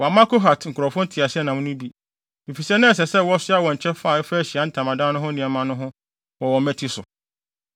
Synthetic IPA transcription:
wɔ˨a˨mã˦ko˦ɦa˨tŋ̩˨kʰɾɔ˨fɔ̃˦n˦tʰɪ˨a˨sɪ˦ɛ˦nã˨mʊ̃˦nʊ̃˦bi˦ | nĩ˨fi˨sɛ˦nã˦ɛ˨sɛ˨sɛ˦wɔ˦sɪ˦a˦wɔ˨ɲ̩˨t͡ɕʰɛ˦fa˦˨ɛ˦fæ˦ɕi˨a˦n̩˦tʰã˨mã˨dã˦nʊ̃˦ɦʊ̃˦nɪ̃˨ɛ˨mã˦nʊ̃˦ɦʊ̃˦ | wɔ˨wɔ˨mɛ̃˦tʰi˦sʊ˨

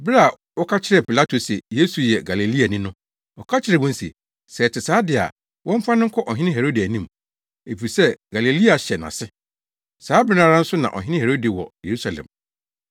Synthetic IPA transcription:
bɾa˦˨ | wɔ˦kʰa˦t͡ɕʰɪ˦ɾɛ˨pʰi˨la˦tʰo˨sɛ˨je˦su˨jɛ˨ɡa˨le˨li˦a˨nɪ̃˦nʊ̃˦ | ɔ˨kʰa˦t͡ɕʰɪ˦ɾɛ˨wɔ̃˦n̩˦sḛ˨ | sɛ˨tʰɪ˨saː˨˦dɪ˨a̰˨ | wʔɔ̃˦m̩˦fã˦nʊ̃˦ŋ̩˦kʰɔ˦ʔɔ˨ɦɪ̃˦nɪ̃˦ɦe˨ɾo˦di˨æ˨nĩ˦m | e˨fi˨ɾi˨sɛ˦ɡ̥a˨le˨li˦a˨ɕɛ˨nã̰˨sɪ˦ | saː˨˦bɪ˦nã˦ɾã˦n̩˦sʊ˦nã̰˨ʔɔ̰˨ɦɪ̃˦nɪ̃˦he˨ɾo˦di˨wɔ̰˨je˨ɾu˦sa˨lɛ̰̃˨m

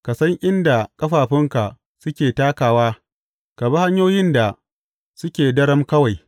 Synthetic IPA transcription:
ka˨sɐ˦ŋʔɪ˦nda˨kʼɐ˦ɸaː˨ɸɪ˦ŋka˨ | sʊ˦kʲeː˨taː˦kaː˨waː˦ | ka˨ba˦ha˦ɲjoː˦jɪ˦nda˨ | sʊ˦kʲeː˨dɐ˦ɽɐ˦mkɐ˦wa˨j

